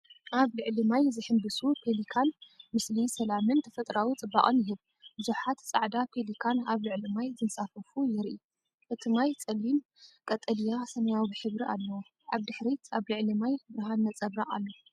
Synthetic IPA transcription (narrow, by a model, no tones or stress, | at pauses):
ʔaβlɨʕlimajzɨħɨmbɨsupʰelikʰanmɨslisɐlamɨnt̪ʰɐ̥fɐt̪ʼɾawit͡sʼɨbːa̰χʼɨnjɪɦɨβ | bɨzuħat̪t͡sʼaʕd̪apʰelikʰanaβlɨʕlimajzɨnsafɐfujɪɾʔi | ʔɨt̪ʰɨmajt͡sʼɐlːim | kʼɐt̪ʼɐlijasɐmɐjawbɨħɨβɾiʔalːɐwo | ʕaβd̪ɨħɾit̪ʰaβlɨʕlimajbɨɾɨɦanːɐt͡sʼɐβɾaʔalːo